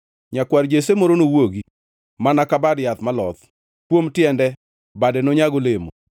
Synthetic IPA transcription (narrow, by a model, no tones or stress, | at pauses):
ɲakwaɾd͡ʒesemɔɾonowoɡi | manakabadjat̪malɔt̪ | kwomtjɛndɛ | badɛnɔɲaɡolemo